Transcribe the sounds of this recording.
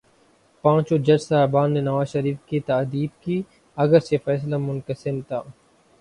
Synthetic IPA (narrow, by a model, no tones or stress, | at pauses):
pãːt͡ʃod͡ʒɐd͡ʒsaːbaːnːenɐʋaːzʃɐɾiːfkit̪aːd̪iːbki | ɐɡəɾsefɛːs̬lamʊnkəsɪnt̪ʰaː